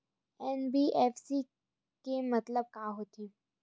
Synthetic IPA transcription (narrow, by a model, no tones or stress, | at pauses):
ɛnbiʔɛːfsi | kemɐt̪ləb̚kaːɦoːt̪iː